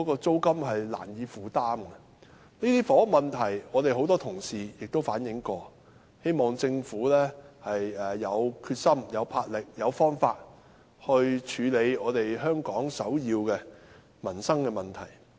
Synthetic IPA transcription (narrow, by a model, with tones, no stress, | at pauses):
kɔ˨˥kɔː˧t͡so˥wkɐ˥mɦɐ˨jla̰ː˨˩njiː˨˧fuː˨˩t̪aː˥mkɛ˧ | niː˥t̪iː˥fɔː˨˥mɐ˨nt̪ʰɐ˨˩jɔː˨˧t̪e˨jɦo˨˥wt̪ɔː˥t̪ʰʊ˨˩ŋsiː˨˩jɪ˨k̚t̪o˥wfaː˨˥njɪ˨˥ŋkɔː˧ | he˥jmɔː˨ŋt͡sɪ˧ŋfuː˨˥lɛː˥hɐ˨jɛː˨˩ɐ˨˧wkʰyː˧t̚sɐ˥mjɐ˨˧wpʰaː˧t̚lɪ˨k̚jɐ˨˧wfɔː˥ŋfaː˧t̚ | hɵ˧ɥt͡ʃʰyː˨˧le˨˧jɔː˨˧t̪e˨jɦœː˥ŋkɔː˨˥ŋsɐ˨˥wjiː˧wkɛ˧ | mɐ˨˩nsɐ˥ŋkɛː˧mɐ˨˩nt̪ʰɐ˨˩j